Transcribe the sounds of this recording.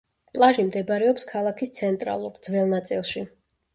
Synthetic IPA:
pʼlˠaʒimd̪ɛbɾɛɔpskʰalˠakʰist̪sʰɛnt̪ʼɾa̰lˠuɾd̪zvɛlˠnat̪sʼḭlˠʃi

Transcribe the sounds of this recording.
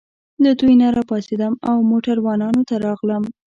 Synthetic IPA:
ləd̪ujnaɾɑpɑsed̪əmawmoʈaɾwɑnɑnot̪aɾɑɣləm

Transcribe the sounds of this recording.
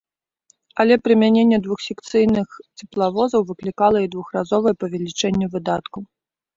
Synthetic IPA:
ɐlʲɛpɾɨmʲanʲenʲːɛd̪vuxsʲɛkt̪sɨjnɨxt͡sʲɛplˠavɔzɐwvɨklʲikalˠɐid̪vuxrazɔvɐjɛpɐvʲɛlʲit͡ʂɛnʲːɛvɨd̪at̪ku

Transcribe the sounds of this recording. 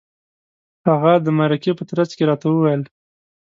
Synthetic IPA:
haɣad̪əmaɾakepət̪ɾat͡skeɾɑt̪awəwajəl

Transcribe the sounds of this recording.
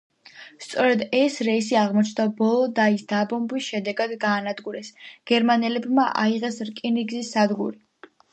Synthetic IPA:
st̪sʼɔɾɛd̪ɛsɾɛisiaʁmɔt͡ʃʰnd̪abɔlˠɔd̪aisd̪abɔmbisʃɛd̪ɛɡad̪ɡaːnad̪ɡuɾɛsɡ̥ɛɾmanɛlɛbmaʔa̰iʁɛsɾkʼiniɡzisad̪ɡuɾi

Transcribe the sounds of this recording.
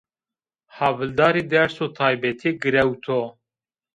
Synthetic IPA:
hɑvɨld̪ɑːɾiːd̪ɛɾsoːt̪ʰɑːjbɛt̪ʰeːɡɨɾɛwt̪ʰo

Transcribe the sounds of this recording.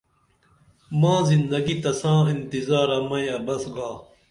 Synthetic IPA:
mãːzind̪ɐɡit̪ɐsãːint̪izaːɾɐmɐ̃jɐbɐsɡaː

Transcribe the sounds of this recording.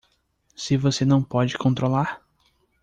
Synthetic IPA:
sɪvosenɐ̃w̃pɔd͡ʒɪkõnt̪ɾolaɾ

